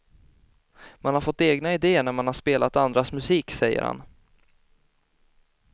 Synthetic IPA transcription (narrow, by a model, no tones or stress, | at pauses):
manhaɾfɔt̪ːeːɡnaɪd̪eːəɳæɾmanhaʂpeːlʔat̪and̪ɾasmɵsiːksɛjːə̰ɾha̰n